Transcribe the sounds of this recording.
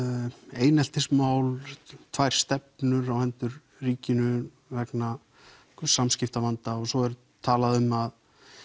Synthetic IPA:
eːjnɛl̥t̪ɪsmaːwlt̪ʰvajɾ̥st̪ɛp̚nʏɾawhɛnt̪ʏɾ | riːcɪnʏ | vɛkna | kʰsamscɪft̪amant̪aɔsɔɛɾʏ | t̪ʰaːlaðʏmːað

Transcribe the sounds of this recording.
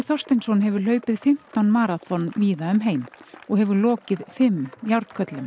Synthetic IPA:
θɔr̥st̪ɪnsɔnɦɛvʏɾ̥l̥œːɥpɪðfɪm̥t̪anmaːɾaθɔnviːðaʏmɦejmɔɣhɛvʏɾlɔːcɪðfɪmjawɾt̪kʰœt̪lʏm

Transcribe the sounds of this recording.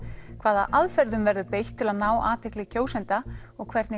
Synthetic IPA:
kʰvaːða̰ʔaðfɛɾðʏmvɛɾðʏpejht̪ʰːɪlaðnaːwʔaːt̪ʰɪklɪcʰoːwsɛnt̪aɔɣkʰvɛɾt̪nɪ

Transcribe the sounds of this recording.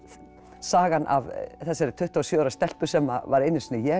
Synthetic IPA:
saːɣanʔa̰vθɛsːaɛɾɪ̥t̪ʰʏht̪aasjœːɾast̪ɛl̥pʏ̥sɛmːa̰vaɾejnːɪsnːɪjɛ

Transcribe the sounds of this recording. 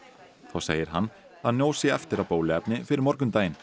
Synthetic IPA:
θawsḛːjɪɾ̥ɦanː | aðnjoːwsjɛɛft̪ɪɾawpoːwlɪɛpnɪfɪɾɪɾmɔɾkʏmt̪aːjɪn

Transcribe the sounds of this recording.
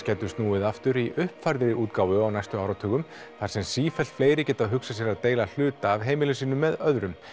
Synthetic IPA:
cɛːt̪ʏ̥ɾst̪nuːɪðaft̪ʏɾiʔʏhpfajɾðɪɾɪuːt̪kaːwvʏawnajst̪ʏaːwɾawt̪ʰœːɣʏm | θaɾ̥sɛmsiːfɛl̥t̪fleːjɾɪcɛːt̪aðɦʏksas̬jɛɾaðt̪eːjlal̥ʏːt̪aːvɦeːjmɪlʏsiːnʏmːɛðœðɾʏm

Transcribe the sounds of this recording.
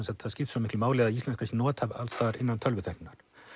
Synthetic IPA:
ɛnsat̪θaðscɪft̪sɔmɪhklʏmaːwlɛɣðaist̪ɛnskʰansɪnɔːt̪hava̰lst̪aːɾɪnːant̪ʰœlvʏθɛhnɪnːaɾ̥

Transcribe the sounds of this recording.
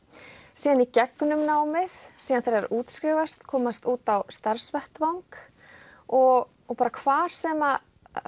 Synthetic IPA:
siːðanicɛknʏmnaːwmɪθsiːðanθaɾɛɾuːt̪skɾɪːvast̪kʰɔːmast̪uːt̪awst̪aɾ̥svɛht̪vawŋk | ɔɣ | ɔpaːɾakʰvaːɾ̥sɛːma

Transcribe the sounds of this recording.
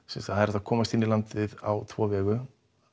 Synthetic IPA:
sɛnst̪ahanɛɾɛt̪ːakʰɔːmast̪ɪnːilant̪ɪða̰wt̪ʰvɔːvɛːɣʏ

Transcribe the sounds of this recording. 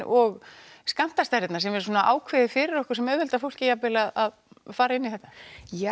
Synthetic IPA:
ʔɔɣskan̥t̪ast̪ɛɾɪt̪naɾsɛmɛɾsuːnaʔa̰ːwkʰvɛːðɪfɪɾɪɾɔhkʏɾ̥sɛmœːɾvɛlt̪afowl̥cɪjapɪlaðað | faːɾaɪnːɪθɛht̪ːḁja

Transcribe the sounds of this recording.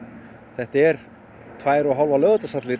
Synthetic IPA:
θɛht̪aɛɾ̥ | t̪ʰvaːjɾɔɦɔlvalœːɣat̪asat̪lɪ

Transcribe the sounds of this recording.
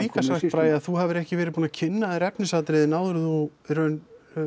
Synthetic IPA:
iːkasvah̪pɾaːjaθuɦavɪɾɛhcɪvɛːɾɪðpuːnacʰɪnːaðɾɛpnɪsat̪ɾɪðɪnaːwðʏɾʏðuɾœɥn

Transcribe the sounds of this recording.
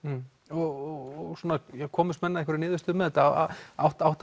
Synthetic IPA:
ɔɣɔɔɣsuːnajɛkʰɔːmʏst̪mɛnːaðɛhkvaɾɪnɪːðʏst̪ʏmɛðɛt̪aːa̰awht̪awht̪

